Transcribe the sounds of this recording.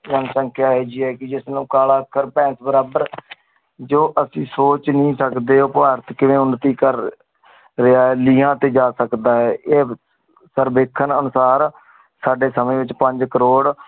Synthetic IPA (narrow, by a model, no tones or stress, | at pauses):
ənsəŋkʰjaːɦeːd͡ʒiːɛːkɪd͡ʒɪsnũːkaːlaːkʰːəɾpɛ̃ːsbəɾaːbəɾ | d͡ʒoːʔəsĩːsoːt͡ʃnĩːsəkd̪eːoːpʋaːɾt̪kɪʋẽːʊnət̪iːkəɾː | ɪaːɛːliːɦãːt̪eːd͡ʒaːsəkd̪aːɛːeː | səɾbeːkʰənənʊsaːɾ | saːɖeːsəmẽːʋɪt͡ʃpəɲd͡ʒkəɾoːɽ